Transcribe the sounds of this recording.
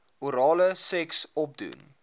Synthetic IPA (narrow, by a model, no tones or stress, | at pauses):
uɾɑːləsɛksɔp̚dṵn